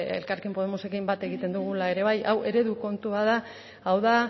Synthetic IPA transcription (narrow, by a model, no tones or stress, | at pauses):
ḛlkaɾkempo̞ð̞e̞mose̞kimbat̪e̞ɣit̪e̞nd̪uɣulae̞ɾe̞β̞ajʔawʔe̞ɾe̞ðuko̞nt̪uaða | awða